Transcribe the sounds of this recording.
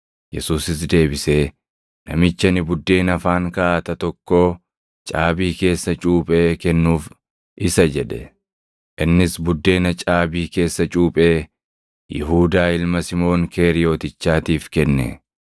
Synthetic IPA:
jɛsuːsɪs̬d̪e̞ːbɪse̞ː | nɐ̰mɪt͡ʃːɐnɪbʊd̪ːe̞ːnɐfaːŋkɐaːt̪ɐt̪ɔkːo̞ː | t͡ʃʼaːbiːke̞ːsːɐt͡ʃʼuːpʼe̞ːkɛnːuːf | ʔɪsɐd͡ʒɛᶑɛ | ʔɪnːɪsbʊd̪ːe̞ːnɐt͡ʃʼaːbiːke̞ːsːɐt͡ʃʼuːpʼeː | jɪ̰ɦuːd̪aːɪlmɐsɪmo̞ːŋke̞ːɾɪjo̞ːt̪ɪt͡ʃːaːt̪iːfkɛnːɛ̰

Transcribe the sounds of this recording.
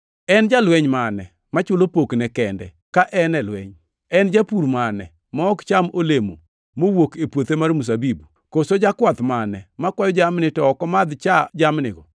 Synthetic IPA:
ɛnd͡ʒalwɛɲmanɛ | mat͡ʃʊlopoknɛkɛndɛ̰ | kaʔɛnɛlwɛ̰ɲ | ɛnd͡ʒapuɾmanɛ̰ | mɔɔkt͡ʃamolemo̰ | mowokepwot̪emaɾmus̬abibu | kosod͡ʒakwat̪manɛmakwajɔd͡ʒamnɪtɔɔkɔmad̪t͡ʃad͡ʒamnɪɡɔ̰

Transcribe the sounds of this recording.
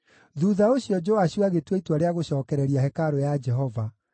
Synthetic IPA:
ðuðaoɕjɔd͡ʒoaɕuaɣetweitwaɾeaɣoɕɔːkɛɾɛɾiaɦɛkaɾojad͡ʒɛɦɔva

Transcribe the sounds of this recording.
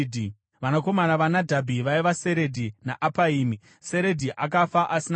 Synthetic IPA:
di | ʋanako̞manaʋanadʱabʱiʋaiʋase̞ɾe̞dʱinaʔapaiːmi | se̞ɾe̞dʱiʔakafaʔasin

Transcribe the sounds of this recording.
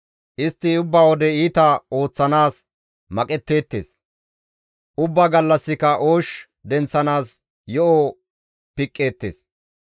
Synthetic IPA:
ʔɪst̪ːɪʊbːawɔd̪ɛiːt̪ɐo̞ːt͡sːɐnaːs | mɐkʼɛt̪ːe̞ːt̪ːḛːs | ʔʊbːɐɡɐlːɐsːɪkɐʔoːʃ | d̪ɛnt͡sːɐnaːs | jɔʔɔ | pɪkʼːe̞ːt̪ːḛːs

